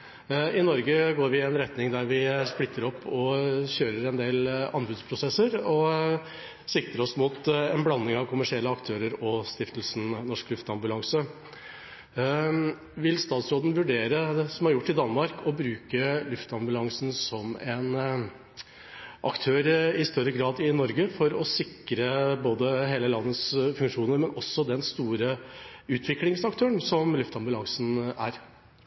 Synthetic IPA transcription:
ɪnɔɾɡəɡoːɾʋɪɛnɾɛt̪nɪŋd̪æɾʋɪsplɪt̪ʰːəɾɔpːɔçøːɾəɾɛnd̪eːlɑ̰nbʉːd̪spʰɾʊsɛsːəɾɔ | sɪk̚t̪ɾəɾɔsmuːt̪ɛnblɑnːɪŋɑʋkʰʊmæʂɪɛlːəɑkt̪ʰøːɾəɾɔst̪ɪft̪lsn̩nɔʂklʉft̪ɑmbʉlɑŋsə | ʋɪlst̪ɑːt̪sɾoːd̪n̩ʋʉɖeːɾəsɔmhɑɾjʊʈːɪd̪ɑnːmɑɾkʰɔbɾʉːkəlʉft̪ɑmbʉlɑŋsn̩sɔmɛn | ʔɑ̰kt̪ʰøːɾɪst̪œɾːəɡɾɑːd̪ɪnɔɾɡəfɔɾɔsɪkɾəboːd̪əɦeːləlɑnːəsfʉŋkʂuːnəɾmɛnɔsːɔd̪ɛnst̪uːɾəʉːt̪ʰʋɪklɪŋsɑk̚t̪ʰøːəɳsɔmlʉft̪ɑmbʉlɑŋsn̩æ̰ɾ

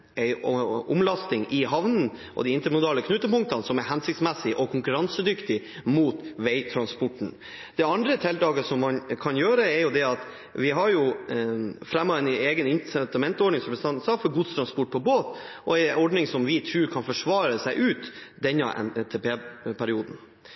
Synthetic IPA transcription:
ɛɪɔʊmlɑst̪ɪŋʔɪɦɑʋnn̩ | ʔɔ̰d̪iɪnt̪əɾmʊd̪ɑːləkʰnʉt̪ːəpʊŋk̚t̪ɑnsɔmɛɾɦænsɪkt̪smɛsɪʔɔkʰʊŋkʉɾɑnsəd̪ʏkt̪ɪ | muːt̪ʋɛɪt̪ʰɾɑnspɔʈɳ̩ | d̪̥ɛɑnd̪ɾət̪ʰɛlt̪ɑːɡəsɔmːɑnkʰɑnjøːɾəɛɾjʊd̪ɛɑt̪ | ʋɪɦɑɾjʊ | fɾɛmːɑɛneːɡənɪnsɛnt̪ɑmɛnt̪ɔɖɳɪŋsɾɛpəsʰɑnsɑfɔɾɡʊt̪st̪ɾɑnspɔʈ̚pʰɔboːt̪ʔɔɛɔɖɳɪŋsɔmʋɪt̪ʰɾʉːɾkʰɑnfɔʂʋɑːɾəsæɪʔʉːt̪d̪ɛnːə̰ʔɛ̰t̪ʰepeːpʰæɾɪuːd̪n̩

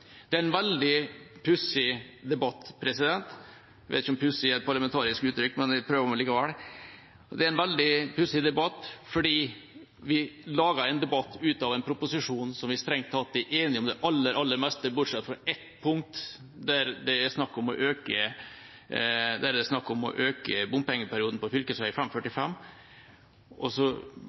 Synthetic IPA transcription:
d̪̥ɛæɾɛnʋɛld̪ɪpʰʉsɪd̪ɛbɑt̪ːpʰɾɛsɪd̪ɛnt̪ | ʋḛt̪ɪçəɔmpʰʉsɪæɪt̪̚pʰɑɾlɑmɛnt̪ʰɑːɾɪskʉːt̪ʰɾʏkːmɛnɛpʰɾøːʋəɾɔmɑnliːkɑʋæɽ | d̪ɛæɾɛnʋɛld̪ɪpʰʉsɪd̪ɛbɑt̪ːfɔɖiː | ʋɪlɑːɡɑɾɛɪnd̪ɛbɑt̪ːʉːt̪ɑʋɛnpʰɾʊpʊsɪʂuːnsɔmʋɪst̪ɾɛŋt̪ʰːɑt̪̚d̪ɛʔeːnɪɔmd̪ɛʔɑlːəɾʔɑlːəɾmɛst̪əbʊʈʂɛt̪ːfɾɑɛt̪pʰʊŋ̚t̪ | d̪æɾd̪ɛæɾsnɑkːɔmɔʔøːkə | d̪æɾd̪ɛsnɑkːɔmɔ̰ʔøːkəbʊmpɛŋːəpʰæɾɪuːd̪n̩pɔfʏlkəsʋæɪfɛmfœʈːɪfɛmː | ɔsɔ

